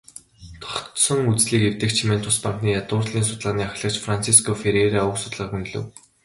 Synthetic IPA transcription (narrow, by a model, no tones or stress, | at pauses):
t̪ʰɔ̥χsɞ̆ŋut͡sɮiːkewt̪ɘ̆kt͡ɕʰiment̪ʰʊspaŋkniːjat̪ʊːrɮiːnsʊt̪ɮaːniːaxʲɮə̆kt͡ɕfrant͡sʰiskʰɔfeɾeɾaːʊksʊt̪ɮə̆χun̆ɮɘ̰̆w